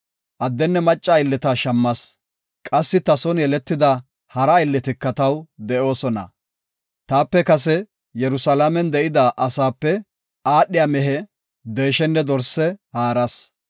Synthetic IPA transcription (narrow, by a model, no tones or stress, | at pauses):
ʔɐd̪ːɛnːɛmɐt͡ʃʼːaɪlːɪt̪ɐʃɐmːɐs | kʼɐsːɪt̪ɐsɔnjɛlɛt̪ːɪd̪ɐ | hɐɾɐɪlːɪt̪ɪkːɐt̪ɐwd̪ɛʔo̞ːsɔnɐ̰ | t̪aːpːɛkɐs̬ɛ | jɛɾʊsɐlamɛnd̪ɛʔɪd̪ɐʔɐsaːpːɛ | aːɗːɪjamɛɦɛ | d̪eːʃɛnːɛd̪ɔɾsːɛhaːɾɐs